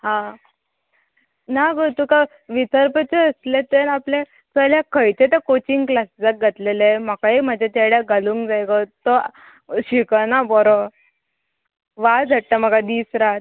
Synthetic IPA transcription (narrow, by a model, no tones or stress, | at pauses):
ɦã | naɡot̪uka | ʋit͡səɾpət͡seəslet̪enaple | səljakəjt͡ɕet̪əkot͡ɕiŋɡklasd͡zək̚ɡʱət̪lelem̤akaim̤ad͡ʑʱat̪aɽjaɡaluŋkd͡zajɡət̪ɔ | ɕikənabɔɾɔ | ʋad͡zʱəʈːəm̤əkad̪iːsɾat̪̚